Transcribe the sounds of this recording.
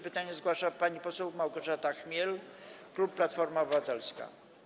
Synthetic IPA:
pɘt̪aɲɛzɡwaʂapaɲipɔsɛwmawɡɔʐat̪axmʲjɛlklupːlat̪fɔɾmaɔbɨvat̪ɛlska̰

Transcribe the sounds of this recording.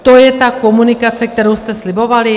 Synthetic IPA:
t̪ojɛt̪akɔmunikat͡sɛk̚t̪ɛɾɛwst̪ɛsliboʋali

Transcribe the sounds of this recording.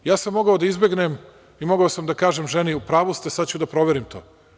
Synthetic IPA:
jaːsamːo̞ɡaod̪aizbe̞ɡnem | imo̞ɡaosamd̪akaːʒemʒeniupɾaːʋust̪esad̪t͡ɕud̪apɾo̞ʋeɾimt̪ʰoː

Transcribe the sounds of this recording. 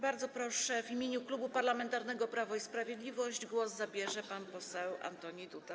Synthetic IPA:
baɾd̪zɔpɾɔʂɛvimʲeɲuklubupaɾlamɛnt̪aɾnɛɡɔpɾavɔispɾavʲjɛd̪lʲivɔʑd͡ʑɡwɔszabʲjɛʐɛpanpɔsɛwa̰nt̪ɔɲid̪ut̪a

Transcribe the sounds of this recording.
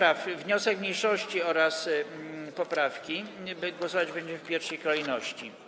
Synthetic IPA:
ɾafvɲɔsɛkmɲejʂɔɕt͡ɕiɔɾas | pɔpɾafkʲibɘɡwɔsɔvad͡ʑbɛɲd͡ʑɛfpʲjɛɾfʂɛjkɔlɛjnɔɕt͡ɕi

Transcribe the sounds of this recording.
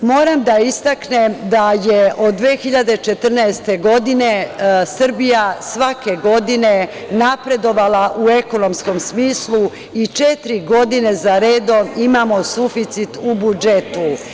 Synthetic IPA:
mo̞ːɾamd̪aist̪akne̞md̪ajeʔo̞d̪d̪ːʋe̞ːxiʎad̪e̞t͡ʃe̞t̪r̩nɛest̪e̞ɡo̞d̪ine̞sr̩bijasʋake̞ɡo̞d̪ine | napɾe̞d̪o̞ʋalaʔue̞ko̞no̞msko̞msmiːslˠu | it͡ʃet̪ɾiɡo̞d̪ine̞zaɾeːd̪o̞mimamo̞sufit̪sit̪ubud͡ʒet̪u

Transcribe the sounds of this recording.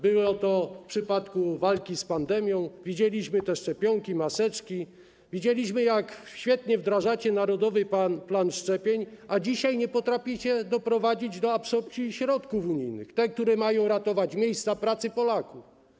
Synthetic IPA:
bɘwɔt̪ɔfpʂɘpat̪kuvalkʲispand̪ɛmʲjɔ̃w̃vʲid͡ʑelʲiɕmɘt̪ɛʂt͡ʂɛpʲjɔŋkʲimasɛt͡ʂkʲi | vʲid͡ʑelʲiɕmɘjakɕfʲjɛt̪ɲɛvd̪ɾaʐat͡ɕɛnaɾɔd̪ɔvɘpanplanʂt͡ʂɛpʲjeɲʔad͡ʑiɕajɲɛpɔt̪ɾafʲjɛɕɛd̪ɔpɾɔvad͡ʑid͡ʑd̪ɔapsɔpt͡ɕiɕɾɔt̪kufuɲijnɘxt̪ɛkt̪uɾɛmajɔ̃w̃ɾat̪ɔvat͡ɕmʲjejst̪sapɾat̪sɘpɔlakuf

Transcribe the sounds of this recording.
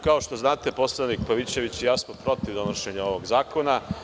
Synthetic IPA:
kao̞ʃt̪o̞znaːt̪e̞po̞slˠanikpaʋit͡ɕe̞ʋit͡ɕijasmopɾo̞t̪iʋd̪o̞noʃe̞ɲao̞ʋo̞ɡzaːko̞na

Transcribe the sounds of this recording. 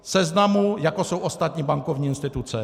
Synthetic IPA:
sɛznamujakɔsɔwʔɔst̪at̪ɲibaŋkɔvɲiinst̪ɪt̪ut̪sɛ

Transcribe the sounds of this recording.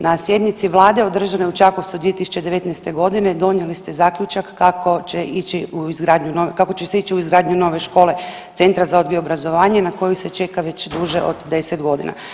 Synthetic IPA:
nasje̞d̪nit̪siʋlˠaːd̪e̞od̪r̩ʒane̞ut͡ʃakoʋt̪sud̪ʋie̞t̪isu̥t͡ʃe̞d̪eʋe̞t̪nɛst̪e̞ɡo̞d̪ine̞d̪o̞njelist̪e̞zaːklʲut͡ʃakːakot͡ʃeit͡ɕiuizɡɾaːd̪ɲunokako̞t͡ɕeseit͡ɕiuizɡɾaːd̪ɲuno̞ːʋe̞ʃko̞ːle̞ | t̪se̞nt̪ɾazaod̪ɡiobɾazo̞ʋaːɲenako̞jise̞t͡ʃe̞kaʋet͡ɕd̪uʒeʔo̰d̪d̪e̞set̪ɡo̞d̪ḭna̰

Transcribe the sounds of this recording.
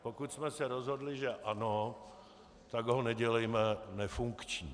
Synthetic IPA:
pokut̪smɛsɛɾozɦo̞dlɪʒɛʔano | t̪aɡɦonɛɟɛlɛjmɛnɛfuŋkt͡ʃɲi

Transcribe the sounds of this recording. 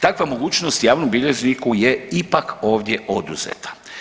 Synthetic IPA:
t̪akʋamo̞ɡuːt͡ʃnost̪jaːʋnombilʲeʒnikujeipako̞ːʋd̪jeʔo̞d̪ṵz̥ḛt̪ʰḁ

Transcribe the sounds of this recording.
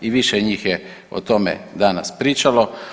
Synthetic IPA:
iʋiʃeɲiːxje | o̰t̪omḛd̪ana̰spɾiːt͡ʃalo̞

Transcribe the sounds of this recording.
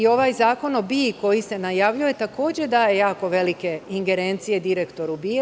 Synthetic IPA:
io̞ʋaːjzaːko̞nobiko̞jisenajaːʋʎuojet̪ako̞ːd͡ʑed̪ajejaːko̞ʋe̞like̞iŋɡe̞ɾe̞ːnt̪sije̞d̪iɾekt̪o̞ɾubi

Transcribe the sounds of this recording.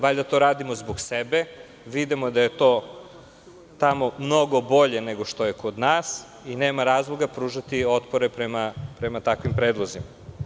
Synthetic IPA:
ʋaʎd̪at̪o̞ɾaːd̪imo̞zboɡsebe̞ | ʋid̪imod̪aje̞t̪oː | t̪amo̞mno̞ɡo̞bo̞ʎe̞ne̞ɡo̞ʃt̪o̞jekʰod̪naːs | ineːmaɾaːzlˠoɡapɾuːʒat̪io̞t̪poɾepɾemapɾemat̪akʋimpɾeːd̪lˠozima

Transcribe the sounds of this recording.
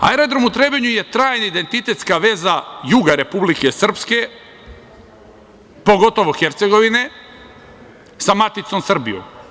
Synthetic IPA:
a̰eɾod̪ɾomut̪ɾebeɲuje̞t̪ɾaːjnaid̪e̞nt̪it̪e̞t̪skaʋe̞ːzajuɡaɾe̞publikesr̩pske̞ | po̞ɡo̞t̪o̞ʋoxeɾt̪seɡo̞ʋine̞ | samat̪it̪somsr̩bḭjṵm

